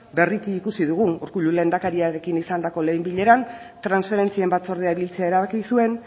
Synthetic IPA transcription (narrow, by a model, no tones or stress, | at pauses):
be̞rik̪iːkusiðuɣ̞unuɾkuʎule̞ːnd̪akaɾiaɾe̞kinisand̪ako̞le̞jmbiʎe̞ɾan | t̪ɾansfe̞ɾe̞nt͡sie̞mbat͡so̞ɾð̞eaiβilt͡se̞ae̞ɾaβakisue̞n